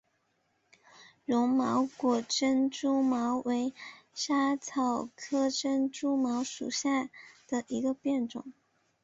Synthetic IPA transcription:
ɻʊ˧˥ŋmɑ˧˥ʊkwɔ˨˩ʈ͡ʂə˥nʈ͡ʂu˥mɑ˧˥ʊwe˧˥ɪʂa˥t͡sʰɑ˨˩ʊkʰɤ˥ʈ͡ʂə˥nʈ͡ʂu˥mɑ˧˥ʊʂṵ˨˩ɕja˥˩d̪̥ə˨˩ʔi˧˥ɡə˧pjɛ˥˩nʈ͡ʂʊ̰˨˩˦ŋ

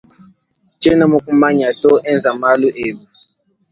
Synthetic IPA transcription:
t͡ʃɛ˦na˦mu˦ku˦ma˦ɲa˨tɔ˦ʔɛ˦nza˨ma˦lu˦ʔe˨ɓu˨

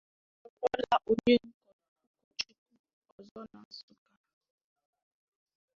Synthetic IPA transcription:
ɔ˦˨kʷɔ˦la˨ʔo˨ɲe˦ŋ̩˦kɔ˨n˨ɔ˦ku˦t͡ʃu˦ku˦ | ɔ˨zɔ˦na˨su˦ka˨

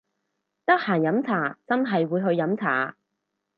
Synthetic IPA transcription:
t̪ɐ˥k̚haː˨˩njɐ˨˥mt͡sʰaː˨˩t͡sɐ˥nɦɐ˨jwuː˨˧jɦɵ˧ɥjɐ˨˧˥mt͡sʰa̰ː˨˩

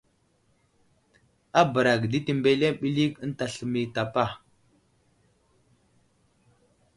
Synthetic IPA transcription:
a˦bə˨ɾa˨kdi˦ti˨mbe˦le˦ɓi˦li˦kə˦n˦ta˨ɬə˨mi˨ta˨pa˦˨

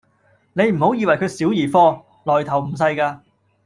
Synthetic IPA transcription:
ne˨˧jm̩˨˩ho˨˥wjiː˧wɐ˨˩jkʰɵ˨˧ɥsiː˨˥wjiː˨˩fɔː˥˧ | lɔː˨˩jt̪ʰɐ˨˩wm̩˨˩s̬ɐ˧jkaː˧

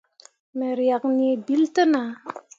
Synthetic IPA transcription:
me˨ɾja˨knie˨bi˦ltə˦na˨

